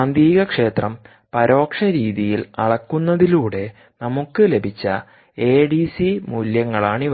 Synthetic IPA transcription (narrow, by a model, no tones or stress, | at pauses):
ɐnd̪iːɣɐkʂe̞ːt̪rɐm | pɐɾo̞ːkʂɐɾiːðijilɐ̰ɽɐkːunːɐðiluːɽe̞ | nɐmukːɨle̞bʱit͡ɕːɐ̰ | e̞ːɖisimuljɐŋːɐɭaːɳiʋ